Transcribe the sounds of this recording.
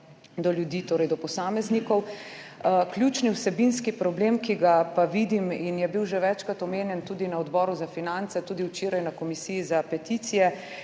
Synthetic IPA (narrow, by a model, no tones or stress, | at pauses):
d̪ɔljud̪iːt̪oːɾɛjd̪ɔpɔsaːmɛznikɔw | klʲjut͡ʃniwsɛbinskipɾɔbleːmkiɡapaʋid̪iminjɛbiwʒɛʋɛt͡ʃkat̪ɔmeːnjɛnt̪uːd̪inaɔd̪bɔːɾuzafinant̪sɛt̪uːd̪iwt͡ʃeːɾajnakɔmisijizapɛt̪it̪sijɛ